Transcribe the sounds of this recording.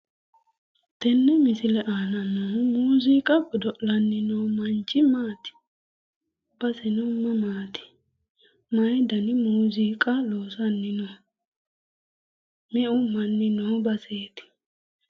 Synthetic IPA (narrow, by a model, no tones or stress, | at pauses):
t̪ɛnːɛmɪsɪlɛʔaːnɐnomuːziːkʼɐbɔd̪ɔʔlɐnːɪnoːmɐnt͡ʃʼːɪmaːt̪ɪ̥ | b̥ɐsɪnʊmːɐmaːt̪ɪ̥ | mɐjd̪ɐnɪmuːziːkʼɐloːsɐnːɪnɔ | mɛʔʊmɐnːɪnobɐseːt̪ɪ̥